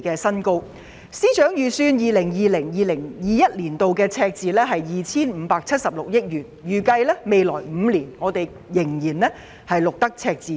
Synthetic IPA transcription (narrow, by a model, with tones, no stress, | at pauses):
kɛː˧sɐ˥nko˥w | siː˥t͡ʃœː˨˥ŋjyː˨˧syː˧njiː˨˧lɪ˨˩ŋjiː˨lɪ˨˩ŋjiː˨lɪ˨˩ŋjiː˨jɐ˥t̚liː˨˩nt̪o˨wkɛː˧t͡sʰɛː˧k̚t͡siː˨˧lɛː˥ɦɐ˨jjiː˨t͡sʰiː˥nm̩˨˧paː˧k̚t͡sʰɐ˥t̚sɐ˨p̚lʊ˨k̚jɪ˥k̚jyː˨˩njyː˨kɐ˧jlɛː˥me˨jlɔ̰ː˨˩jm̩ː˨˧liː˨˩nŋɔː˨˧t̪e˨j | jɪ˨˩ŋjiː˨˩nlɛ˥ | hɐ˨jlʊ˨k̚t̪ɐ˥k̚t͡sʰɛː˧k̚t͡siː˨˩